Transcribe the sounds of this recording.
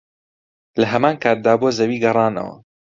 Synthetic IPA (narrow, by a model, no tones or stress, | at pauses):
lɐɦɐmaːnkʰaːt̪̚d̪aːbuɐzɐwiːɡɐrˤɑːnɐ̰wɐ̰